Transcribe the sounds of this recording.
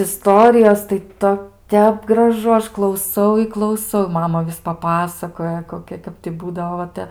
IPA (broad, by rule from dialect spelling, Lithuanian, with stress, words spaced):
ɪˈstoːrʲɪjoːs tɐɪ ˈtoː ˈtʲɛp ɡrɐˈʒʊ ˈɐʃ klˠɐʊˈsɐʊ ɪ klˠɐʊˈsɐʊ ˈmɑːmɐ ˈʋʲɪs pɐˈpɑːsɐkoːjɛ koːˈkʲɛ ˈkɐp tʲɪ ˈbuːdɐʋoː ʋɐ ˈtʲɛ